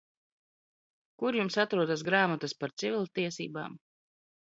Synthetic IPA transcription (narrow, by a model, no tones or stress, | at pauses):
kuɾjumsat̪ɾuɔd̪asɡɾaːmat̪aspaɾt̪sivʲilʲˠt̪iɛsḭːba̰ːm